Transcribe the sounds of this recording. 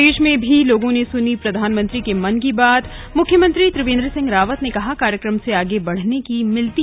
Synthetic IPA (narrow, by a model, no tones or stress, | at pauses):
eːʃmẽbʱiloːɡõnesʊnipɾɐd̪ʱaːnmə̃nt̪ɾikemɐnkibaːt̪ | mʊkʰjəmə̃nt̪ɾit̪ɾɪʋẽːnd̪ɾəsɪ̃ŋɡɾaːʋət̪nekɐɦakaːɾjəkɾəmseaːɡebɐɽ̤nekimɪlt̪i